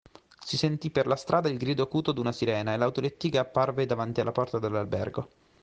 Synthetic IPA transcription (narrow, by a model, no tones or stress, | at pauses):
sisent̪ipːerlast̪ɾʔaːd̪ailɡɾiːd̪oakuːt̪od̪unasiɾɛːnaelːawt̪olet̪ːiːɡaːpːarved̪avant̪ialːapɔrt̪ad̪elːalbɛ̰rɡo